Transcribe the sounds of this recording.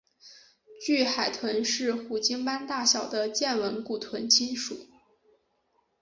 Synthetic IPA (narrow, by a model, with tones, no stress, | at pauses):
t͡ɕy˥˩xa˨˩ɪt̪ʰwə˧˥nʂɻ̩˥˩xu˨˩t͡ɕi˥ŋpa˥nt̪a˥˩ɕjɑ˨˩ʊd̪ə˦t͡ɕjɛ˥˩nwə˧˥nku˨˩t̪ʰwə˧˥nt͡ɕʰi˥nʂṵ˨˩˦